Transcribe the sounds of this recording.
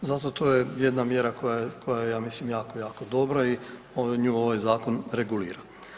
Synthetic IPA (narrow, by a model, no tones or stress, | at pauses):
zat̪o̞t̪oːjejed̪namjeɾakojajkʰojajejaːmislimjaːko̞jaːko̞d̪o̞bɾai | oɲuːoʋajzaːko̞nɾeɡulḭːɾa